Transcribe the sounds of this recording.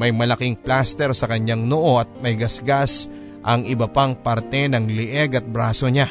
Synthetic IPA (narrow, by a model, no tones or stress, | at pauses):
mɐjmɐlɐkiŋplast̪ɛɾsɐkɐɲaŋnoʔo̞ɐt̪̚mɐjɡɐsɡas | ʔɐŋɪbɐpaŋpaɾt̪ɛnɐŋlɪʔɛɡɐt̪̚bɾaːso̞ɲa